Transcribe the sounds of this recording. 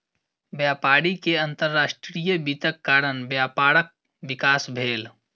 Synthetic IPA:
bjaːpaːɽikeə̃nt̪əɾːaːsʈɾijəbiːt̪əkːaːɾənbjaːpaːɽək̚ | bɪkaːsbʱeːl

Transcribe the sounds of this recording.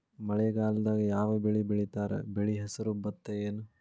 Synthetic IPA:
mɐɭɛɡaːlɐd̪aːɡijaːʋɐbeɭibiɭit̪aːɾḛbeɭiɦɐsɐɾubɐt̪ːejeːnu

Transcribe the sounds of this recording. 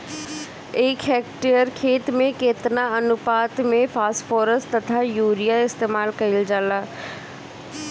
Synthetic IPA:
eːkɦɛːkʈejəɾkʰeːt̪mẽkeːt̪naɐnʊpaːt̪mẽfʰaːspʰoːɾəst̪ɐt̪ʰajuːɾijaɪst̪eːmaːlkɐɪld͡ʒaːlaː

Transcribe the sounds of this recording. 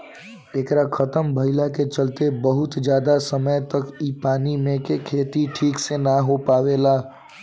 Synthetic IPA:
eːkɾakʰɐt̪əmbʱɐɪlaket͡ʃɐlt̪ebɐɦʊt̪d͡ʒjaːd̪asəməjt̪ɐkipaːnimẽkekʰeːt̪iʈʰiːksenaɦopaːʋeːlaː

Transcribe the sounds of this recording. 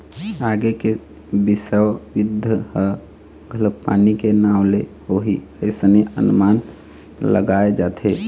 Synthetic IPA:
aɡeke | bisəwʋid̪ʱəhə | ɡʱələkpa̰nikenawle | oɦi | əɪsəneʔə̰nman | lə̰ɡaed͡ʒaːt̪ʰe

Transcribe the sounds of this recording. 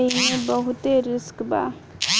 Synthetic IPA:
iẽbəɦʊt̪eɾɪskba̰ː

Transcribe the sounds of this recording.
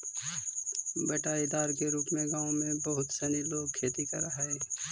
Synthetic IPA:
bɐʈaːid̪aːɾkeɾuːpmẽɡãːõmẽbɐɦʊt̪sɛːniloːɡ̚kʰeːt̪ikɐɾaɦɛː

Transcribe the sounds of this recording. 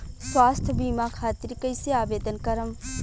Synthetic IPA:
swaːst̪ʰbiːmaːkʰaːt̪iɾkəjseaːʋeːd̪ənkɐɾəm

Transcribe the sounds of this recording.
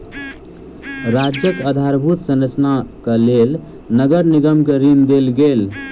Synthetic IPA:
ɾad͡ʒjəkəd̪ʱaɾbʱut̪sənət͡ʃnakelel | nəɡəɾniɡəmkeɾind̪elɡel

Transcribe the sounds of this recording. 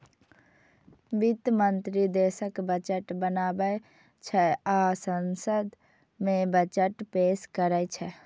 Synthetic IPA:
bit̪mənt̪ɾid̪esəkbət͡ʃəʈbənaːbə | t͡ʃʰɛasənsəd̪ | mẽbət͡ʃəʈpeskəɾət͡ʃʰɛ

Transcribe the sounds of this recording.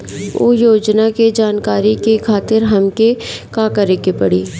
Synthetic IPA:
o̰joːd͡ʒnaked͡ʒaːnkaːɾikekʰaːt̪ɪɾɦɐmkekãːkɐɾekepɐɽiː

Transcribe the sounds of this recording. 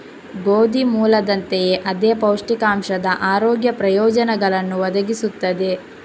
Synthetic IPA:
ɡoːd̪imuːlɐd̪ɐnt̪ejeʔɐd̪eːpɐwʂʈikaːmʂɐd̪ɐʔaːɾoːɡjɐpɾɐjɔːd͡ʒɐnɛɡɐɭɐnːuʋɐd̪ɐɡisut̪ːɐd̪e̞

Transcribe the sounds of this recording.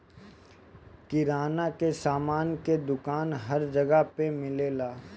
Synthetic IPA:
kɪɾaːnakesaːmaːnked̪ʊkaːnɦɐɾd͡ʒɐɡəpemɪleːlaː

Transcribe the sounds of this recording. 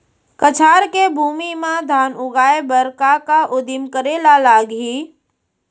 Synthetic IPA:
kət͡ʃʰaːɾkebʱuːmimãd̪ʱaːnʊɡaːebəɾkakaʔʊd̪ɪmkəɾeːlalaːɡɦiː

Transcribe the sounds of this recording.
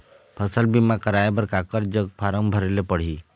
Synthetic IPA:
pʰəsəlbimakəɾaebəɾkakəɾd͡ʒəɡ̚pʰaɾəmbʱəɾelepəɽ̤i

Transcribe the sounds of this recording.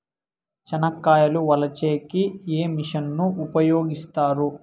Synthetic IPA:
t͡ʃɐnɐkːaːjɐluʋɐlɐt͡ʃeːkieːmiʂɐnːuupɐjoːɡist̪aːɾu

